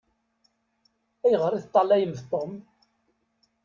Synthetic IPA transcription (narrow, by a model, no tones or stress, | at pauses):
æjəʁəɾˤiθt̪ˤːɑlæjəmθt̪ˤːom